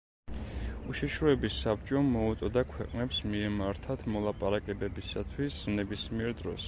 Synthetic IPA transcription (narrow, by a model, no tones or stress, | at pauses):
uʃiʃɾɔɛbisːabt͡ʃʼɔmɔut̪sʼɔd̪akʰwɛqʼnɛpsmiɛmaɾt̪ʰat̪ʰmɔlˠapʼaɾakʼɛbɛbisat̪ʰwisnɛbismiɛɾd̪ɾɔs